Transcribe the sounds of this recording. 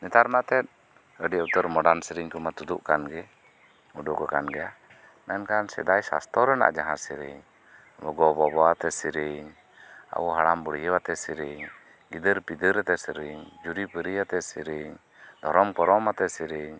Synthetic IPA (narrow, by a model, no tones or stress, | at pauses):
nɛt̪aɾmat̪ɛt̪̚ | əɖiaut̪əɾmɔɖansiɾiɲkɔmat̪ud̪uʔkanɡɛ | uɖɔkɔkanɡɛja | mɛnkansɛ̰d̪ajsa̰st̪ʰɔɾɛna̰ʔd͡ʒaɦãsiɾḭɲ | bɔɡɔbɔbɔat̪ɛsiɾiɲ | a̰ʔɔɦaɽambəɽijəwat̪ɛsiɾiɲ | ɡid̪əɾpid̪əɾɛt̪ɛsiɾiɲd͡ʒuɾipəɾijat̪ɛsiɾiɲ | d̪ʱɔɾɔmkɔɾɔmat̪ɛsiɾiɲ